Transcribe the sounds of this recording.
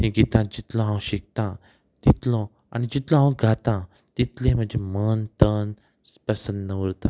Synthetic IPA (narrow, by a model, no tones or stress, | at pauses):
hẽɡiːt̪ãd͡ʑit̪lɔ̃ɦãw̃ɕik̚t̪ã | t̪it̪lɔ̃ | a̰nid͡ʑit̪lɔ̃ɦãw̃ɡʱat̪ã | t̪it̪lẽm̤əd͡ʑemənt̪ən | spəsənd̪ːəʋəɾt̪ã